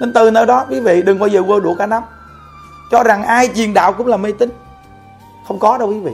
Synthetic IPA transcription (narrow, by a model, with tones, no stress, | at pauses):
ne˧nt̪ɨ˨˩nəː˧jɗɔ˨˦kwi˨˦vḭ˧˨ɗɨ˨˩ŋɓaː˧wzəː˨˩vəː˧˩ɗṵ˧˩əkaː˧˩na˨˦m | t͡ɕɔ˧za˨˩ŋʔaː˧jt͡ɕi˨˩ənɗa̰ː˧˨wkʊ̰˧˥ŋ͡mlaː˨˩me˧t̪ï˨˦ŋ̟ | xə˧wŋ͡mkɔ˨˦ɗə˧wkwi˨˦vḭ˧˨